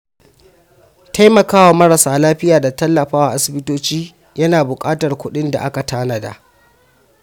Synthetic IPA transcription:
ta˦jmɐ˨kaː˦wa˨mɐ˦ɾɐ˨saː˨laː˦ɸɪ˦jaː˨da˨tɐ˦lːɐ˨ɸaː˦wa˨ʔa˦sɪ˨bɪ˦toː˦t͡ʃiː˦ | jɐ˦naː˨bʊ˨kʼaː˦tɐ˨rkʷʊ˦ɗɪ˦nda̰˨ʔa˦ka˨taː˦nɐ˨da̰˨ʔ

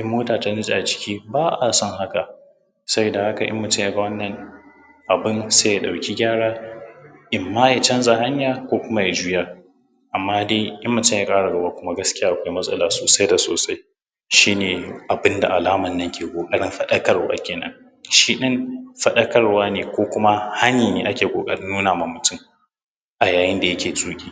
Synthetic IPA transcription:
ʔɪ˦mːoː˦taː˨ta˦nɪ˦zʼa˨a˨t͡ʃɪ̥˦kʲiː˦baː˦ʔa˨sɔ˦ŋɦa˦ka˨ | sɐ˦i˨da˨ha˦ka˨ʔɪ̰˦mːʊ˨tɪ˦ja˦ɡɐ˦wɐ˦nːɐ˨ŋ | ʔa˨bɪ˦nseː˦ja˨ɗa˨wkʲi˦ɡʲaː˦ɽaː˦ | ʔɪ˨mːaː˦ja˨t͡ʃɐ˦nzʼa˨ha˦ɲjaː˨kʷoː˦kʷʊ˦ma˦ja˨d͡ʒuː˦jaː˦ | ʔa˨mːaː˦deː˦jɐ˦mːʊ˨tʊ˦˨jaː˦kʼaː˦ɽa˨ɡɐ˦baː˦kʷʊ˦ma˦ɡɐ˦skʲɪ˦jaː˦ʔa˨kʷa˦jmɐ˦sʼɐ˦laː˨soː˨sa˦jda˨soː˨sa˦j | ʃiː˦neː˨ʔa˨bɪ˦nda̰˨ʔa˨laː˦mɐ˨nːɐ˦ŋkʲʰeː˨kʷʼoː˨kʼɐ˦ɽɪ˦mɸɐ˦ɗɐ˦kɐ˦rwa̰ː˦kʲeː˨nɐ̰˦n | ʃiː˦ɗɪ˦nɸɐ˦ɗɐ˦kɐ˦rwaː˦neː˨kʷoː˦kʷʊ˦ma˦ha˦niː˨neː˨ʔa˦kʲeː˨kʷʼoː˨kʼɐ˦ɽɪ˦nːuː˦naː˨ma˦mʊ˨tʊ˦˨m | ʔa˨jaː˨jɪ˦nda˨jɐ˦kʲeː˨zʼuː˦kʲʼiː˦

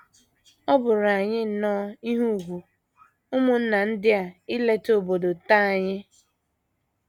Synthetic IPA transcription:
ɔ˦bʊ˨ɾa˨ɲɪ˦n̩˨nɔː˦i˦ɦu˦˨ɦʷu˨ | ʊ˦mʊ˨n̩˦na˨n̩˦dɪ˦a˨ɪ˦le˦to˦bo˨do˨ta˦a˨ɲɪ˦

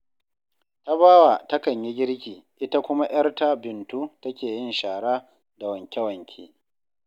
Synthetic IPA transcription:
ta˦baː˦wa˨tɐ˦kɐ˨ɲji˦ɡʲɪ˦ɽkʲiː˨ʔɪ˦ta˦kʷʊ˦ma˦j̰ɐ˦rta˦bɪ˨ntu˦tɐ˦kʲeː˨jɪ˦nʃaː˨ɽaː˦ | da˨wɐ˨ŋkʲɛ˦wɐ˨ŋkʲʰḛː˦

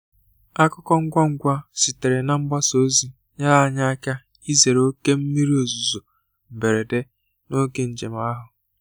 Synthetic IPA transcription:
a˦kʊ˦kɔ˦ŋ̩˦ɡʷa˦ŋ̩˦ɡʷa˦si˨te˨ɾe˨na˦m̩˦ba˦so˦zi˦ | ɲa˦la˨a˦ɲa˦a˦ka˦ | i˦ze˨ɾo˦ke˦m̩˦mi˦ɾi˦o˨zu˨zo˨ | m̩˨be˨ɾe˨de˦ | no˦ke˦n̩˨d͡ʒe˨m˨a˦ɦʊ˨

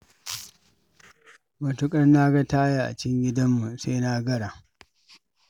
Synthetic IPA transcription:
mɐ˨tʊ˦kʼɐ˦rna˦ɡa˦taː˦ja˦ʔa̰˨t͡ʃɪ˦ŋɡʲɪ˦dɐ˦mːu˨seː˦na˦ɡɐ˦ɽa˨

